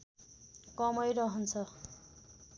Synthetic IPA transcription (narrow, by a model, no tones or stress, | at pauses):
kʌmʌjɾʌɦʌnt͡sʰʌ